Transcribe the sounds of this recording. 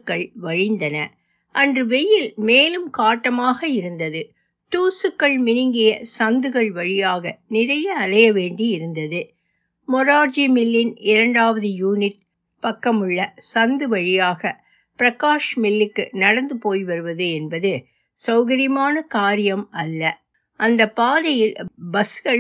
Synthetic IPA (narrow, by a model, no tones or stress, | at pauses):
kːɐɭʋɐɻɪnd̪ɐnɐ | ʔɐndrɯʋɛjɪlmeːlɯmkaːʈːɐmaːɣɐɪɾɯnd̪ɐðɯ | ʈuːsɯkːɐɭmɪnɪŋɡɪjɐsɐnd̪ɯɣɐɭʋɐɻɪjaːɣɐnɪɾɐjɐːlɐjɐʋeːɳɖiɪɾɯnd̪ɐðɯ | mɔɾaːɾd͡ʒimɪlːɪnɪɾɐɳɖaːʋɐðɯjuːnɪʈ̚ | pɐkːɐmɯɭːɐsɐnd̪ɯʋɐɻɪjaːɣɐ | pɪɾɐkaːʂmɪlːɪkːɯnɐɽɐnd̪ɯpoːjʋɐɾɯʋɐðɯɛnbɐðɯ | sɐʊɣɐɾɪmaːnɐkaːɾɪjɐmɐlːɐ | ʔɐnd̪ɐpːaːðɐjɪlbɐsɣɐɭ